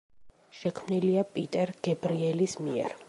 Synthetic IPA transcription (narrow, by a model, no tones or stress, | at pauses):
ʃɛkʰmniliapʼit̪ʼɛɾɡ̥ɛbɾiɛlismiɛ̰ɾ